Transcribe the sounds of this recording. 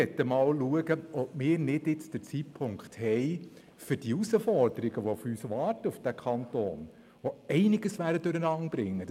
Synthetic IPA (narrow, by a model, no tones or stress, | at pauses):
ɛtːəmɑːwluəɡəʔɔp̚mɪːɾnɪd̥ɪt͡sd̥ət͡sitpʰʊŋkχthɛɪ | fʏɾd̥iusəfɔɾdəɾiɡəʋofyːsʋɑːrtəʊfd̥ækʰɑnto̰ːn | oɛɪnɪɡəsʋæːɾdəd̥øɾənɑŋb̥ɾɪŋːə